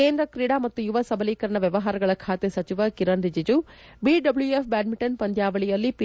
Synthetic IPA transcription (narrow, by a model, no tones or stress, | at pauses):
keːnd̪ɾɐkɾiɽaːmɐt̪ːujuʋɐsɐbɐliːkɐɾɐɳɐʋjɐʋɐɦaːɾɐɡɐɭɐkʰaːt̪esɐt͡ʃiʋɐkiɾɐnɾid͡ʒid͡ʒu | biɖɐbljuefʰbaːɖ̚miʈɐnpɐnd̪jaːʋɐɭijɐlːip